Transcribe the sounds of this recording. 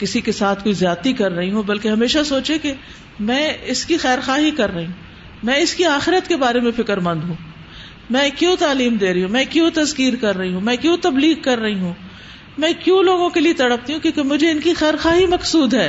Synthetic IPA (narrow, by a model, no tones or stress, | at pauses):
kɪsikesaːt̪ʰkoːizjaːt̪ikɐɾːɐɦiɦũbɐlkeɦɐmeːʃasoːt͡ʃeke | mɛ̃ːɪskixɛːɾxaːɦikɐɾːɐɦiɦũ | mɛ̃ɪskiaːxɪɾət̪kebaːɾemẽfɪkəɾmɐ̃nd̪ɦũː | mɛ̃ːkjõːt̪aːliːmd̪eːɾɐɦiɦũːmɛ̃ːkjõːt̪ɐzkiːɾkɐɾːɐɦiɦũmɛ̃ːkjõːt̪ɐbliːɡ̚kɐɾːɐɦiɦũ | mɛ̃ːkjõːloːɡõkeliet̪ɐɽəp̚t̪iɦũkjõːkemʊd͡ʒʱeɪnkixɛːɾxaːɦimɐqsuːd̪ɦɛː